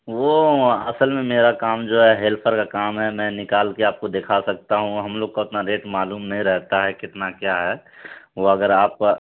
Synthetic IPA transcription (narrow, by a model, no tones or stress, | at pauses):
ʋoɐsəlmẽmeːɾakaːmd͡ʒoːɦɛɦeːlpʰəɾkakaːmɦɛmɛ̃nɪkaːlkeaːp̚kod̪eːkʰasɐk̚t̪aɦũɦɐmloːɡ̚kaʊt̪naɾeːʈmaːluːmnəɦĩɾɛɦt̪aɦɛkɪt̪nakjaɦɛː | ʋoɐɡəɾaːp̚